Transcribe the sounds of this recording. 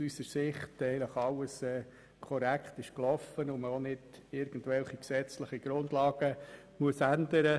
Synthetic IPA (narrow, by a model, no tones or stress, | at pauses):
sysəɾsɪχtɛɪləχɑləsɛː | kʰɔɾækʰtɪʃklɔfənʊməonɪd̥ɪɾɡ̥ən̩tvɛlχiksɛt͡slɪχiɡ̥ɾʊndlɑːɡ̥ə | muəsænd̪əɾə